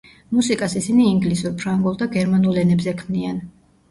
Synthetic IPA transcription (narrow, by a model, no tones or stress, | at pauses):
musikʼasisiniːŋɡlisuɾpʰɾaŋɡulˠd̪aɡɛɾmanulɛnɛbzɛkʰmnian